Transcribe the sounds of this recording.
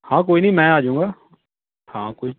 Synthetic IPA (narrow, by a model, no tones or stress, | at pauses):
hãːk̬oːiːnəĩːmɛ̃ːaːd͡ʒũːŋɡaː | hãːkoːi